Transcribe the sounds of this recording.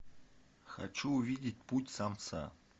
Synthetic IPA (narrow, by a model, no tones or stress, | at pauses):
xa̰t͡ʃuːvʲidʲɪt̚ʲputʲsamt̪sʰa̰